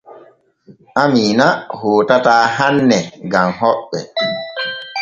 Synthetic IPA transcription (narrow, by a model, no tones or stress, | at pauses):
amiːnahoːtataːɦanːɛɡamɦɔɓɛ̰